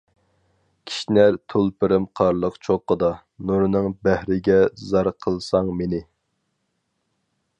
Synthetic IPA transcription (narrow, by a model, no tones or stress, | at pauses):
kʲʰi̥ʃnæɾt̪ʰolˠpɪɾɪmqʰɑɾlˠəqt͡ʃʰoqːəd̪ɑ | nuɾnɨŋbæhɾɪɡʲɛzɑɾqʰəlˠsɑŋmenɪ